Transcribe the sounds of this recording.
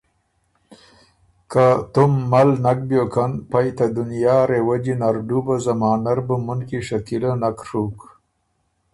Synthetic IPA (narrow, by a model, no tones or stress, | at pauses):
kat̪ʊmːalnak̚bjokʰanpajt̪ad̪ʊnjaːɾewad͡ʒinaɾɖubazamaːnaɾbəmunkiʂakilanakʂuk